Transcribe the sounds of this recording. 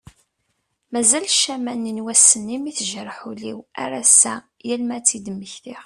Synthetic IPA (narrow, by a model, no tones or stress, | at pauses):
mæzælʃæmænːinwæsːənːimiθəʒərˤħuliwa̰ɾasæ | jælmæt͡sːid̪əmːəçθiʁ